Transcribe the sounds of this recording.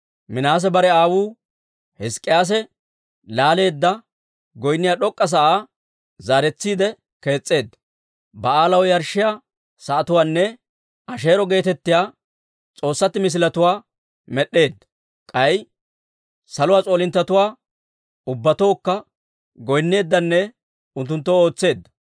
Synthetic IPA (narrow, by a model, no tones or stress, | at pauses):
mɪnaːs̬ɛbɐɾɛaːwuː | hɛskʼːɪjaːs̬ɛ | laːle̞ːd̪ːɐ | ɡɔjnːɪjaːɗɔkʼːɐs̬ɐʔaː | zaːɾɛt͡sːiːd̪ɛ | ke̞ːt͡sʼːe̞ːd̪ːɐ | bɐaːlɐwjɐɾʃːɪjaː | sɐʔːt̪ʊwaːnːɛ | ʔɐʃ̬e̞ːɾɔɡe̞ːt̪ɛt̪ːɪjaː | t͡sʼo̞ːsːɐt̪ːɪmɪs̬ɪlɐt̪ʊwaː | mɛɗːe̞ːd̪ːɐ̥ | kʼɐj | sɐlʊwaːt͡sʼo̞ːlɪnt̪ːɐt̪ʊwaː | ʊbːɐt̪o̞ːkːɐ | ɡɔjnːe̞ːd̪ːɐnːɛ | ʊnt̪̬ːʊnt̪ːoo̞ːt͡sːe̞ːd̪ːɐ̥